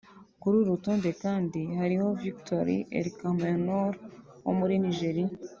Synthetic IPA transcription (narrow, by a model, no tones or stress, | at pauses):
kuɾuɾutuːnde̞kaːndihaɾiho̞viktoɾḭʔḛɾikaːmbajanoɾ | wo̰muɾiniʒeɾia